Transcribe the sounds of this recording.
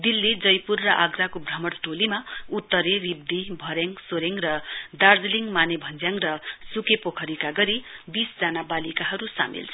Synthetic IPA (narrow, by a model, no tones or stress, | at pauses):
d̪ilːid͡zʌjpurːʌʔaɡrakobrʌmʌɽʈolimaut̪ːʌɾerib̚d̪ibʱʌɾeŋsoɾeŋrʌd̪ard͡zliŋmanebʱʌnd͡zjaŋrʌsukepokʰʌɾikaɡʌɾibisd͡zanabalikaɦʌɾusa̰mḭlt͡sʰ